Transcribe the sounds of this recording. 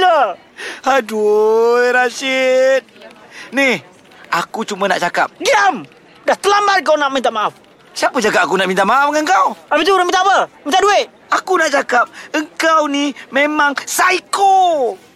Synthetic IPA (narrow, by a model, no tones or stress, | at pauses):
lə | hadujɾasit̪̚nih | ʔakut͡ʃumənaʔt͡ʃakap̚ɡiam | daht̪əlambat̪̚k̬awnaʔmint̪aʔmaʔaf | siapəd͡ʒaɡaʔakunaʔmint̪aʔmaafŋaŋkawapit̪uɾəmint̪aʔpəmint̪adueʔ | akunaʔt͡ʃakap̚əŋkawnimemaŋsaiko